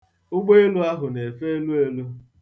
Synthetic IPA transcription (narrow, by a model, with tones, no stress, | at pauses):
ʊ˦ɡ͡bo˦e˦lu˦a˦ɦʊ˨ne˨fe˦e˦lu˦e˦lu˦